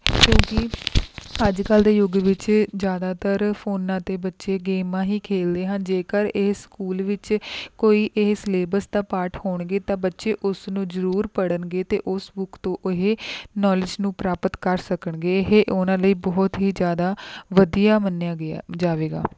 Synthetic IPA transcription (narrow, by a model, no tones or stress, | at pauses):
kjõːkɪ | əd͡ʒkəld̪eːjʊɡʋɪt͡ʃd͡ʒjaːd̪aːt̪əɾpʰoːnːãːt̪eːbətːʃeːɡeːmãːɦiːkʰeːld̪eːɦənd͡ʒeːkəɾɪɦskuːlʋɪt͡ʃkoːiːʔɪɦsleːbəsd̪aːpaːʈhoːɳɡeːt̪ãːbətːʃeːʔʊsnũːzəɾuːɾpəɽənɡeːt̪ḛːʔʊsbʊkt̪õːʔɪɦeːnɔːlɪd͡ʒnũːpɾaːpət̪kəɾsəkəɳɡeːɪɦeːʔʊnãːləiːbɔːt̪ɦiːd͡ʒjaːd̪aːʋəd̪ijaːmənːjãːɡad͡ʒaːʋeːɡa̰ː